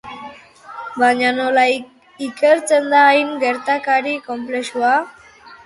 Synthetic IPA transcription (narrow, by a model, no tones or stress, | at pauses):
baɲanola | ike̞ɾt͡se̞nd̪aːjnɡe̞ɾt̪akaɾiko̞mplesua